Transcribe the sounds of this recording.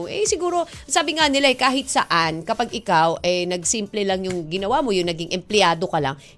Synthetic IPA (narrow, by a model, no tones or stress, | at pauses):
ʔɛ̰sɪɡuːɾo̞ | saːbɪŋanɪlaʔɛkaːɦɪt̪̚sɐʔankɐpaɡʔɪkawʔɛnɐɡsimplɛlɐŋjʊŋɡɪnɐwaːmo̞jʊŋnɐɡiŋʔɛmplɛjaːd̪o̞kɐla̰ŋ